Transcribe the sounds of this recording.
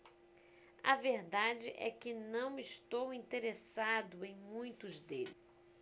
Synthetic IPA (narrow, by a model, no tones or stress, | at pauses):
ɐ̰veɾd̪ad͡ʒɪʔɛ̰kɪnɐ̃w̃iʃt̪owĩnt̪eɾesad̪ʊẽj̃mũj̃t̪ʊzd̪elɪ